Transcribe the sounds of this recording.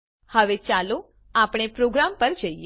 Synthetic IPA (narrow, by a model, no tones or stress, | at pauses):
həʋet͡ʃalo | apɽ̃epɾoɡɾampəɾd͡ʒəie